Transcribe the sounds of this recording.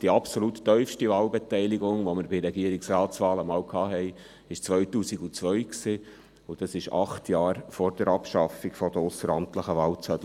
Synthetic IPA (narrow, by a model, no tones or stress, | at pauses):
d̥iɑpsolutːœʏfʃtivɑːlbet̪ɛɪliɡʊŋʋoməɾbɪɾɛɡiəɾiksraːt͡sʋɑːləmɑːwkʰɑːɦɛɪ | ɪʃt͡sʋœʏtuːsiɡut͡sʋœɥksiː | ʊd̥ɑsɪʃɑ̰χtʰjɑːɾfɔɾd̥əɾɑpʃɑfiɡfɔd̥əʊsəɾɑmtləχəʋɑːlt͡sœt